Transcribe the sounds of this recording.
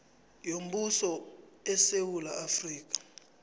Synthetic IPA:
jom̩ɓusɔ | ɛsewulaafriːk̬ʼḁ

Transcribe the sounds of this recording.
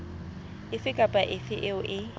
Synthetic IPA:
ɪfɪkʼapʼaʔɪfɪʔɛʊʔɪ

